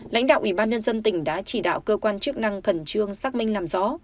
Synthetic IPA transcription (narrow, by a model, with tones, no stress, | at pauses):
la̰˧˥jŋ̟ɗa̰ː˧˨wʔi˧˩ɓaː˧nɲə˧nzə˧nt̪ï˧˩ŋ̟ɗa̰ː˧˥t͡ɕi˧˩ɗa̰ː˧˨wkəː˧kwaː˧nt͡ɕɨ˦˥ək̚na˧ŋxə˨˩nt͡ɕɨ˧əŋsaː˦˥k̚mï˧ŋlaː˨˩mzɔ̰˧˥